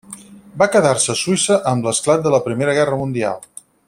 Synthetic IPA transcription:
bakəðarsəːsuisəʔəmləsklat̪̚d̪ələpɾimeɾəɣ̞ɛrəmund̪ia̰lˠ

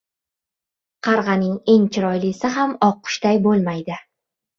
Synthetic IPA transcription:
qʰɑɾʁɑnɪŋe̞ŋt͡ʃʰɪɾɒjlɪsɪɦamɒqʰːʊ̥ʃd̪ajbolˠmajd̪ɪ

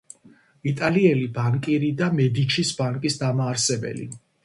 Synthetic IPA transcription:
it̪ʼaliɛlibaŋkʼiɾid̪amɛd̪it͡ʃʰisbaŋkʼisd̪amaːɾsɛbɛ̰lḭ

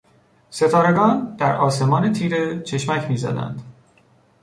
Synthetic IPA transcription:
se̞t̪ʰɒːɾe̞ɡɒːnd̪̥æɾɒːse̞mɒːne̞t̪ʰiːɾe̞t͡ʃʰe̞ʃmæcʰmiːzæ̰d̪æ̰nd̪̥

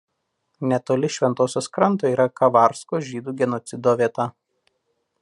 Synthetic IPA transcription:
nʲɛt̪oːlʲɪʃʲʋʲɛnt̪oːsʲoːskɾɐnt̪oːiːɾɐkɐʋɑˑɾskoːʒʲiːd̪uːɡʲɛnɔt̪sʲɪd̪oːʋʲiɛt̪ɐ

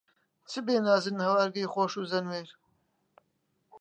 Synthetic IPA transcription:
t͡sʰɨbeːnaːzɨnhɐwaɾɡɐjxoːʃuːzɐnweːɾ

